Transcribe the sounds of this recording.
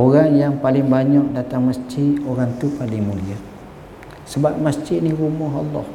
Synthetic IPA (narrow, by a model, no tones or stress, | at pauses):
oɾaŋjaŋpalɪŋbaɲɔʔ̚dat̪aŋməsd͡ʒɪʔ̪oɾaŋt̪upalɪŋmulia | səbap̚məsd͡ʒɪt̪̚nihɾumɔɦɑ̰lːɔ̰h